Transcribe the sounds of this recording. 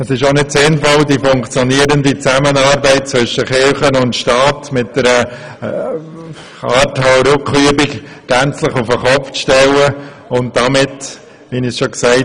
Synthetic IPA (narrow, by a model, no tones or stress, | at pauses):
əsɪʃonɪdsɪnfɔldifʊŋkt͡sjɔniəɾəndit͡sæmənɑːɾbɛɪt̚t͡svʏʃəχɪɾχənʊntʃtɑːtmɪt̚d̥ɛɾə | ɑːɾthɔɾʊkχyəbɪk | ɡ̥ænt͡slɪχufəχɔpft͡sʃtɛlə | ʊnt̚d̥amɪt | ʋinisʃoksɛɪ